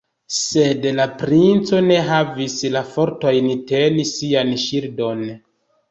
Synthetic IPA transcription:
se̞dlapɾint͡so̞ne̞ɦavislafo̞ɾto̞jnite̞lisianʃiɾdo̞n

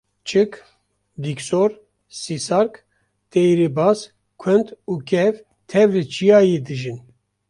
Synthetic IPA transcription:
t͡ʃʰɨk | d̪iksoɾ | sisaɾk | t̪ejɾebaːs | kʷʰɛnt̪uːkɛv | t̪ʰɛvlɨt͡ʃʰijaːjeːd̪ɨʒin

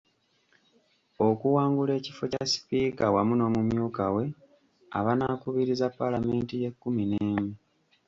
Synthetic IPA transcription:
o̞kuwaːŋɡule̞ːcifo̞casi̥piːkawamuno̞ːmumjuːkawe̞ | a̰βanaːkuβiɾizapːalame̞ːntije̞kːumineːmi

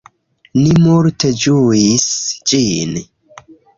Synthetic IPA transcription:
nimuɾted͡ʒuisd͡ʒin

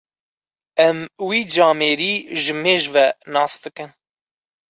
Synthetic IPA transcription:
ɛmwiːd͡ʒɑːmeːɾiːʒɨmeːʒvɛnɑːsd̪ɨkɨn

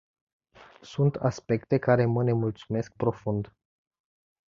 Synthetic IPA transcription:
sunt̪aspe̞kt̪e̞kaɾe̞məne̞mult̪sume̞sk̚pɾo̞fund̪

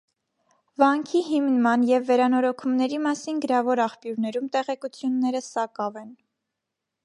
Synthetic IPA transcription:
vɑŋkʰiɦimnmɑnjɛvːɛɾɑnɔɾɔkʰumnɛɾimɑsinɡəɾɑvɔɾɑχpjuɾnɛɾumt̪ɛʁɛkut͡sʰjunːɛɾəsɑkɑvɛn

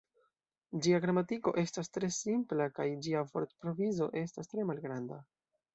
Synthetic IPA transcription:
d͡ʒiaɡɾamatiko̞̰ʔe̞stastɾe̞simplakajd͡ʒiafo̞ɾtpɾo̞vizo̞̰ʔe̞stastɾe̞malɡɾanda

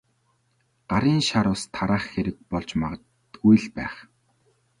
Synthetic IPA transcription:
ɢ̥aɾiːnʃaɾʊːst̪ʰaɾaːχxeɾɘ̆k̪̚pɔɮt͡ɕma̰ʁə̆t | t̪ujɮpæ̰ːχ

